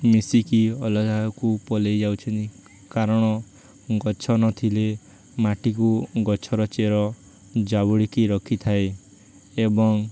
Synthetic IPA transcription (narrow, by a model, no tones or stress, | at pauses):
misikiɔlɔd͡ʒaɔkupɔlejd͡ʒawt͡ʃʰɔnt̪i | kaɾɔɽ̃ɔ | ɡɔt͡ʃʰɔnɔt̪ʰile | maʈikuɡɔt͡ʃʰɔɾɔt͡ʃeɾɔ | d͡ʒabuɽikiɾɔkʰit̪ʰae | ebɔŋ